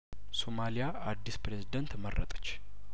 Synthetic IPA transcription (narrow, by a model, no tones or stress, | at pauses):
somalijaʔad̪ːispɾezid̪ənt̪mərːə̰t̪ʼə̥t͡ʃː